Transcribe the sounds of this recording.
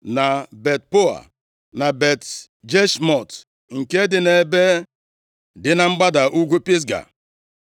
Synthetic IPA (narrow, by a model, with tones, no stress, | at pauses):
na˨be˨t̚po˦a̰˨ | na˨be˨t | d͡ʒe˦ʃmɔ˨t | ŋ̩˨ke˦dɪ˨ne˨˦be˦ | dɪ˦na˨ŋ͡m̩˦ɡ͡ba˦da˨ʔu˦ɡʷu˦pi˦s̬ɡa̰˨